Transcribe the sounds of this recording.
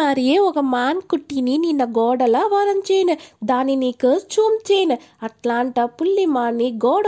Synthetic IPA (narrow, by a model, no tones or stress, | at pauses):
aːɾijeːɔkɐmaːnkuʈːinininːɐɡɔːɽɐlɐʋɐɾɐmt͡ʃɛːjnɐd̪aːnːiniːkɐt͡ʃuːmt͡ʃɛːjnɐ | ɐʈlaːɳʈɐpulːimaːnːiɡɔːɽɐ